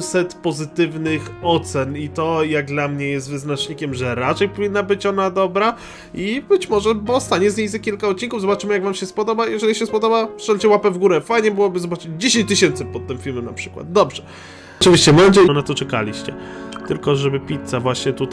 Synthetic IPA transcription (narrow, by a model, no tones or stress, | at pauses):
sɛt̪pɔzɘt̪ɘvnɘxɔt̪sɛnit̪ɔjaɡ̚d̪lamɲɛjɛst̪vɘznat͡ʂɲikʲɛmʐɛɾat͡ʂɛjpɔvʲinːabɘt͡ɕɔnad̪ɔbɾa | ibɘt͡ɕmɔʐɛbɔst̪aɲɛzɲejzɛkʲilkaɔt̪̚t͡ɕːiŋkuvzɔbat͡ʂɘmɘjaɡvamɕɛspɔd̪ɔbajɛʐɛlʲiɕɛspɔd̪ɔbaftɛnd͡ʑɛwapɛvɡuɾɛfajɲɛbɘwɔbɘzɔbat͡ʂɘd͡ʑd͡ʑeɕẽɲt͡ɕt̪ɘɕɛnt̪sɘpɔt̪ːɛmfʲilmɛna̰pʂɘ̥kwa̰d̪̚d̪ɔbʐɛ | t͡ʂɨvʲiɕt͡ɕɛmɔd͡ʑɛnat̪ɔt͡ʂɛka̰lʲiɕt͡ɕɛ̰t̪ɘlkɔʐɛbɘpʲit̪savwaɕɲɛt̪ut̪